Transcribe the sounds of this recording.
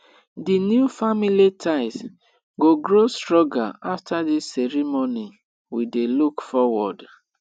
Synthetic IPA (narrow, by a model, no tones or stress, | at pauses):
dinjufamilitʰaɪs | ɡoɡɹostɹɔɡaaftʰadisːɛɾimoni | widelukfɔwɔd